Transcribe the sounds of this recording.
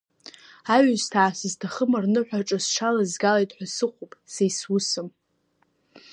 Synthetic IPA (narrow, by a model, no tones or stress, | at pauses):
aɥɨztʰaːsɨztʰaχəmarnɨħʷᶣaʈ͡ʂʼazʃʰalazɡalejtʼħʷᶣasɨχʷʰupʼsejswʊsɨm